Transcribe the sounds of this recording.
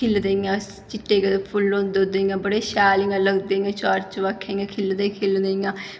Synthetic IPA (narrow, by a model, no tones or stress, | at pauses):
ɪld̪eːjãː | t͡ʃɪʈːeːked̪epʰʊlːõnd̪od̪eːĩãːbəɽeːʃaːlɪãːləɡd̪eːjãːt͡ʃɔːɾt͡ʃʋakʰːãːĩãːkʰɪld̪eːkʰɪld̪eːĩjãː